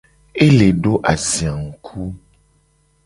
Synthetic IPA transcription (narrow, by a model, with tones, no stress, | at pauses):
e˦le˨ɖo˦ʔa˨zĩ˨a˨ŋu˨kʰu˦